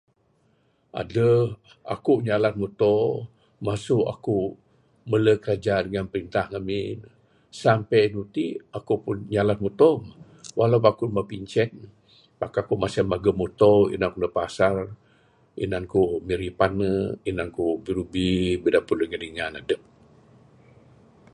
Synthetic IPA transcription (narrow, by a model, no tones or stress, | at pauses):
ʔa̰dəh | a̰kuɲalat̪̚mut̪ɔ | masuʔa̰ku | mələkəɾad͡ʒadəŋanpəɾint̪ahŋamin | sampɛjnut̪iakupunɲalat̪̚mut̪ɔm | walapakumapiɲt͡ʃɛn̚ | pakaakumasamaɡəmut̪ɔḭnankunəpasar | ḭnankumiɾipanːəinankubiɾubibidapunəŋədiŋanadəp̚